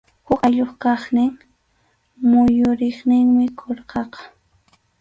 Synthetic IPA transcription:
hʊkaʎoχkɑχnɪŋ | mʊjʊɾɪχnɪŋmɪkʰoɾqɑqɑ̥

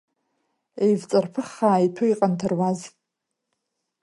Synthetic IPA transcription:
ejvt͡sʼarpʰɨχːaːitʰʊjqʼantʰarwaz

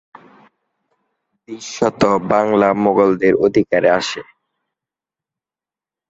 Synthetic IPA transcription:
biʃːɔt̪obaŋlamoɡold̪eɾod̪ʱikaɾeaʃe

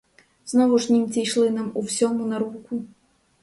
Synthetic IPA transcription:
znɔvuʂnʲimt͡sʲijʂlˠɨnɐmuwsʲɔmunaɾuku

